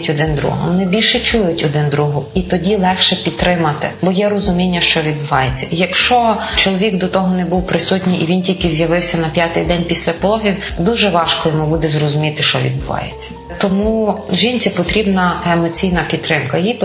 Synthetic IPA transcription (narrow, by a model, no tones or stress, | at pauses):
tʲɔd̪ɪnd̪ɾṵɦɔ̰ʋɔnɪbʲilʲʃɛt͡ʃujʊtʲɔd̪ɪnd̪ɾuɦʊit̪ɔdʲilˠɛxʃɛpʲid̪t̪t̪ːɾɪmɐt̪ɪ̰bɔjɛrɔzʊmʲinʲːɐʃt͡ʃɔʋʲid̪̚bʊʋɑjet͡sʲːɐ̥jɐkʃt͡ʃɔt͡ʃɔlˠɔʋʲikd̪ɔt̪ɔɦɔnɛbuwpɾɪsutʲnʲijiʋʲintʲilʲkɪzʲjɐʋɪwsʲɐnɐpʲjat̪ɪjd̪ɛnʲpʲisʲlʲɐpɔlˠɔɦʲiw | d̪uʒɛʋɑʃkɔjɔmubud̪ɛzrɔzʊmʲit̪ɪʃt͡ʃɔʋʲḭd̪bʊʋɑ̰jet͡sʲːɐ̥ | t̪ɔmuʒinʲt͡sʲipɔt̪ɾʲibnɐemɔt͡sʲijnɐpʲidt̪t̪ːɾɪmkɐjip